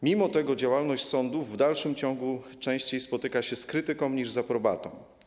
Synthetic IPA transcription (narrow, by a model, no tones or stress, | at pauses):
mʲimɔt̪ɛɡɔd͡ʑawalnɔɕt͡ɕʲsɔnd̪uvːd̪alʂɘmt͡ɕɔ̃ŋɡu | t͡ʂɛ̃w̃ɕt͡ɕejspɔt̪ɘkaɕɛskɾɘt̪ɘkɔ̃w̃ɲiʐzapɾɔba̰t̪ɔ̃w